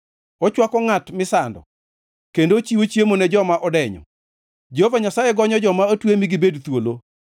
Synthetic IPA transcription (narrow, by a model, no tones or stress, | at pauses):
ɔt͡ʃwakɔŋatmɪsandɔ̰ | kendot͡ʃiwot͡ʃjemonɛd͡ʒɔmaʔɔdɛɲɔ̰ | d͡ʒehovaɲasajeɡɔɲɔd͡ʒɔmaotwemiɡibedt̪wolo